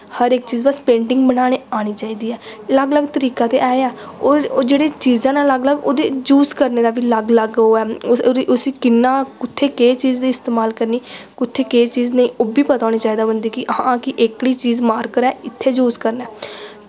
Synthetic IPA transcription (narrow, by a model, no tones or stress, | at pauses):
həɾɪk̚t͡ʃiːzbəspẽːɳʈɪ̃ŋɡbəɽ̃aːɽ̃eːaːɽ̃iːt͡ʃaːiːd̪iːɛːləɡləɡt̪əɾiːkãːt̪eːʔaːeɛːoːd͡ʒeːɽeːt͡ʃiːzãːnãːləɡləɡoːd̪ḛːd͡ʒuːskəɾneːɾaːbiːləɡləɡoːɛːʔʊsiːkɪnːãːkʊt̪ʰːeːkeːt͡ʃiːzd̪iːɪst̪eːmaːlkəɾniːkʊt̪ʰːeːkeːt͡ʃiːznəĩːoːbiːpət̪aːɽ̃eːt͡ʃaːiːd̪aːbənd̪iːkɪʔɦãkɪʔɪkɽiːt͡ʃiːzmaːɾkəɾɛːɪt̪ʰːeːd͡ʒuːskəɾnɛː